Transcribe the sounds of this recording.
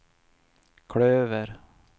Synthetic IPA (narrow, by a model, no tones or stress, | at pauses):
kʰɽøːʋəɾ